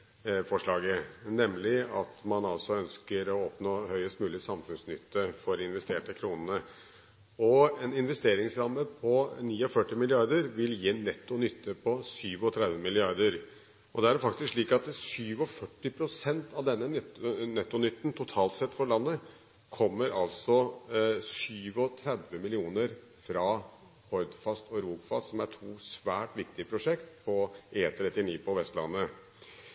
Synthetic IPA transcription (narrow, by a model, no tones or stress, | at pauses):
fɔʂɭɑːɡənɛmlɪɑt̪mɑnɑlsɔœnskəɾɔɔpnoːhœʏəst̪mʉːlɪsɑmfʉnsnʏt̪ːəfɔɾɪnʋɛst̪eːʈəkʰɾuːnənə | ɔɛnɪnʋɛst̪eːɾɪŋsɾɑməpʰɔniːɔfœʈːɪmɪlɪɑɾd̪əɾʋɪljiːnːɛt̪ːʊnʏt̪ʰːəpʰɔsyːʋɔt̪ʰɾɛd̪ʋəmɪlɪɑɾd̪əɾ | ɔd̪ɛæɖfɑkt̪ɪskʂɭiːkɑt̪syːʋɔfœʈːɪpʰɾʊsɛnt̪ɑʋd̪ɛnːənɛt̪ːʊnʏt̪ːnt̪ʰʊt̪ʰɑːlt̪sɛt̪ːfɔɾɭɑnːə | kʰɔmːəɾɑlsɔ | syːʋɔt̪ʰɾɛd̪ʋəmɪlɪuːnəɾ | fɾɑ | hɔɾd̪fɑst̪ɔɾuːɡfɑsɔmæʈʰuːsʋæːʈʋɪkt̪ɪəpʰɾʊʂɛkt̪pʰɔʔeːnt̪ʰɾɛt̪ːɪniːpʰɔʋɛst̪lɑ̰nːə